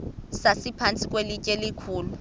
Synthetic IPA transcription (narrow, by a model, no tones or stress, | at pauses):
sasɪpʰant͡sʼikʼwelɪkʼelɪkʰuːlʊ